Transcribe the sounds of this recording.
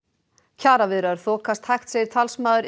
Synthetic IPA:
cʰaːɾavɪðɾaɾ̥θɔːkast̪hajxt̪sɛðɪɾ̥t̪ʰalsmaːðʏɾ

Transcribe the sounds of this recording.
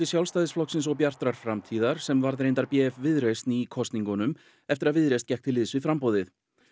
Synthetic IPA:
ɪ̥sjawlst̪ajðɪsflɔhksɪnsɔɣpjar̥t̪ɾaɾ̥fɾamt̪ʰiːðaɾ̥sɛmvaɾðɾejnt̪aɾpjɛːfvɪðɾest̪nikʰɔst̪niŋkɔnʏm | ɛft̪ɪɾaðvɪðɾejst̪cɛjhk̚t̪ʰɪlːɪːðsvɪðfɾampowðɪθ

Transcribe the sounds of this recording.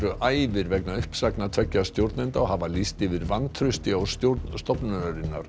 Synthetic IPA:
ɾʏʔaːjvɪɾvɛknaʏhpsaknat̪ʰœcːast̪jowɾt̪nɪnt̪aɔɦavalist̪ɪvɪɾvanːt̪ʰɾʏst̪ɪawst̪jowɾt̪nst̪ɔpnaɾaɾɪnːa̰ɾ̥

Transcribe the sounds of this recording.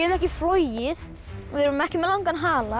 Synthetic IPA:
nɛhcɪflɔjɪð | ɔðɪɾɾmɛhcɪmɛlawŋkanɦaːla

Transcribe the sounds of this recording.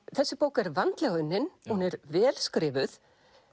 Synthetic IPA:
θɛsːɪpoːwkɛɾvant̪lɛɣʏnːɪnhunɛɾvɛːlskɾɪːvʏθ

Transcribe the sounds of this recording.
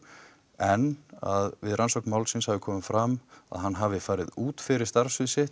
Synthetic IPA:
ɛna̰ðvɪðrʔansɔwknmaːwlsɪnshavɪkʰɔːmɪfɾama̰ðɦanːɦavɪfaːjɾɪðuːt̪fɪɾɪɾ̥st̪aɾ̥sʏðsɪh

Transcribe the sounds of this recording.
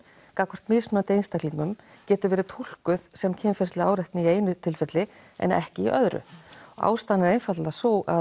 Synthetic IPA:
kakʰvɔr̥t̪mɪːsmnat̪eːjnst̪aliːkmʏm | cɛːt̪ʏɾvɛːɾɪt̪ʰul̥kʏð̥sɛmcʰɛnfɛst̪lɪaːwɾɛjht̪nɪieːjnʏt̪ʰɪlfɛt̪lɪ | ɛ̰nɛ̰hcɪiʔœðɾʏ̰ɔa̰ːwst̪anːɪɾejnfat̪lasoːwa̰

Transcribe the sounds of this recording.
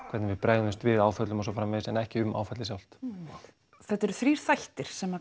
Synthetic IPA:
kʰvɛɾt̪nɪvɪpɾajɣɪst̪vɪðaːwfœt̪lʏmɔsɔfaːɾamɪsɛnɛhcɪʏmʔa̰ːwfɛt̪lɪsjawl̥t̪ | θɛht̪ɛɾʏθɾiːɾ̥θajht̪ɪɾ̥sɛma

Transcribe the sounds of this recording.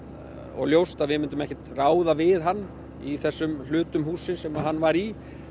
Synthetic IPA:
ɔ̰ɣljowst̪aðvɪmɪnt̪ʏmɛhcɛt̪raːwðavɪðɦanː | iθɛsːʏmlʏːt̪ʏmɦuːsːɪnsɛmaɦanːvaɾi

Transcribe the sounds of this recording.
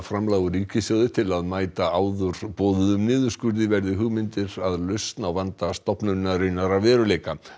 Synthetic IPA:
fɾamlaːɣʏɾiːcɪsjaːwðɪt̪ʰɪlaðmaːjt̪aaːwðʏɾpoːwðʏðʏmnɪːðʏ̥skʏɾðɪvɛɾðɪɦʏɣmɪnt̪ɪɾaðlʏst̪nawvant̪ast̪ɔhpnʏnnaɾejnaɾavvɛːɾʏleːjka

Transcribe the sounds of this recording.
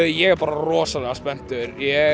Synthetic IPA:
jɛɣɛɾpaːɾarɔːsalɛɣaspɛn̥t̪ʏɾjɛ

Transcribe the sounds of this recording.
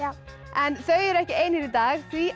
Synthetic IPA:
ɛnθœɥɛɾɛhcɪejnɪɾit̪aːɣθvi

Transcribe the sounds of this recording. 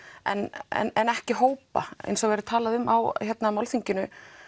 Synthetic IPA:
ɛ̰nɛ̰nɛnɛhcɪɦoːwpa̰ḛjnsɔvɛɾʏɾt̪ʰaːlaðʏmːawçɛt̪namalθiɲcɪnʏ

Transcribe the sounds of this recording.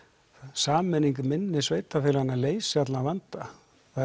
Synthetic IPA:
saːmɛniŋk̬ʏmɪnːɪsveːjt̪afɪːlanːaleːjsɪat̪lavant̪a | θa

